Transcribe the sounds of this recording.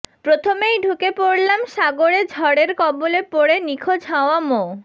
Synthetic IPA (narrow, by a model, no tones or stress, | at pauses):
pɾot̪ʰomejɖʱukepoɽlamʃaɡoɽed͡ʑʱɔɽeɾkɔbolepoɽenikʰod͡ʑʱaoamo